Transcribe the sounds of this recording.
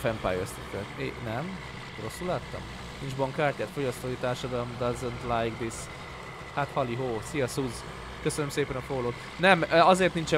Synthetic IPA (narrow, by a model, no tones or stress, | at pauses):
fɛmpa̰ːjøst̪it̪øːkḛnɛm | ro̞sːulaːt̪ːɒ̰m | nind͡ʒbɒŋkːaːrcaːt̪fo̞ɟɒst̪oːit̪aːrʃɒd̪ɒlomd̪ɒzənt̪lajɡd̪is | hat̪hɒliɦoːsijɒsuz | køsønømseːpɛnɒfoloːt̪ | nɛmɒzeːrt̪nint͡ʃɛ